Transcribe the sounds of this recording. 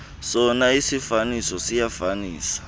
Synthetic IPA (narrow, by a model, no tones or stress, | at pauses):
sɔnaisifanisɔsijafaniːsḁ